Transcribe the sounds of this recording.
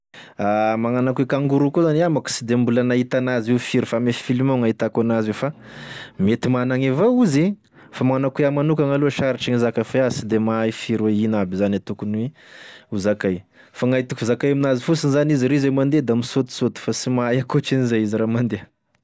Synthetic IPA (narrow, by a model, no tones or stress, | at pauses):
amaŋanakuekaŋɡuɾukuzaniamaku̥sid̪embulanait̪anaziwfiɾifamefifilimoŋait̪akanaziwfamet̪imanaŋevouzi | famaŋanakueamanukaŋaloʃaɾiʈ͡ʂaŋizakafeasid̪emajfiɾweinabizanat̪ukunwe | uzakaj | faŋait̪ukfizakajaminazifusinizaniziɾizemand̪ed̪amisot̪u̥sot̪u̥fasimaajakot͡ʃinizajiziɾamand̪e